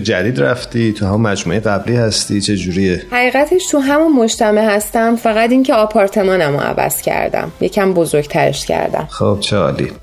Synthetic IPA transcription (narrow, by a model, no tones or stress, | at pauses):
d͡ʒæd̪iːd̪ɾæft̪it̪ʰuhæmunmæd͡ʒmuejɣæbliːhæst̪it͡ʃʰe̞d͡ʒuːɾijehæʁiːɣæt̪ʰeʃt̪ʰuɦæmunmoʃt̪ʰæmehæst̪æmfæɣæt̪iŋceɒːpʰɒːɾt̪ʰe̞mɒːnæmoæ̰væ̰z̥cʰæ̰ɾd̪æ̰mjecʰæmbo̞zo̞ɾɡt̪ʰæɾḛʃcʰæ̰ɾd̪æ̰mxob̥̚t͡ʃʰeɒ̰ːlḭ